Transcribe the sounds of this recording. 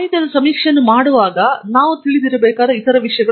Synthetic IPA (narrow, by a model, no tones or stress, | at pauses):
ɦit̪jɐd̪ɐsɐmiːkʂɐnːumaːɽuʋaːɡɐnaːʋut̪iɭid̪iɾɐbɛːkaːd̪ɐit̪ɐɾɐʋiʂɐjɐɡɐ